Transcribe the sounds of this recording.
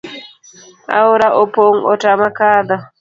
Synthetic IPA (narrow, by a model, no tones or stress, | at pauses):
ʔa̰wɾaʔɔpoŋɔtamakaːd̪a